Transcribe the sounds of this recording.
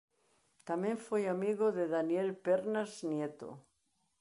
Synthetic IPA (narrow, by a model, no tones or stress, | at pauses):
t̪amjẽɱfojamiɣoðeðanjelpeɾnaznjet̪o̰